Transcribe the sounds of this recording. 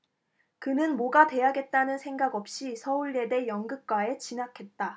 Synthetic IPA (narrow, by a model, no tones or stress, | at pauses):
kɯnɯnmoɡadwe̞jaɡe̞t̚t͈anɯnsʰe̞ŋɡaɡʌp̚ɕ͈isʰʌuɭːe̞de̞jʌŋɡɯk̚k͈wae̞t͡ɕinakʰe̞t̚t͈a